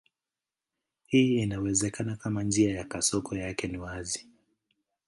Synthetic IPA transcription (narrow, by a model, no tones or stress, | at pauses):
hiːinawɛzɛkanakamand͡ʒiajakasɔkʰɔjakɛniwazi